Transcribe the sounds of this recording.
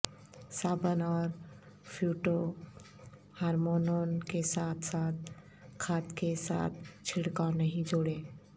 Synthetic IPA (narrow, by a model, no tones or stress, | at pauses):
saːbənɔːɾ | pʰjuːʈo | haːɾmoːnoːnkesaːt̪ʰsaːt̪̚ | kʰaːt̪kesa̰ːt̪̚ʰt͡ʃʰɪɽkanəɦĩd͡ʒoːɽẽː